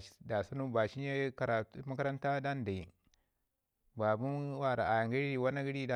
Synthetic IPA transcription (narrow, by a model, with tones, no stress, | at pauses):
da˨sa˦nu˦ba˨ʃi˦ɲe˦ka˨ɾa˨˦ma˦ka˦ɾa˦nta˦da˦n˨da˨i˨ | ba˨bu˦nwa˦˨ɾa˨ʔa˨ja˨ŋɡi˦ɾi˦˨wa˦na˦ɡi˦ɾi˦da˨